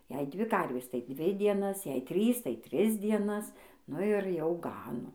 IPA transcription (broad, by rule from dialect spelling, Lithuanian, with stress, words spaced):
jɛɪ ˈdʲʋʲɪ ˈkɐrʲʋʲeːs tɐɪ ˈdʲʋʲɪ dʲiɛˈnɐs jɛɪ ˈtʲrʲiːs tɐɪ ˈtʲrʲɪs dʲiɛˈnɐs ˈnʊ ɪr ˈjɛʊ ˈɡɑːnoː